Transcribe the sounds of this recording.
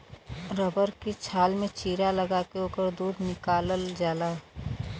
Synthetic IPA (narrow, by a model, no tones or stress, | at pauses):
ɾəbəɾkit͡ʃʰaːlmẽt͡ʃiːɾaləɡakeoːkəɾd̪uːd̪ʱnɪkaːləld͡ʒaːla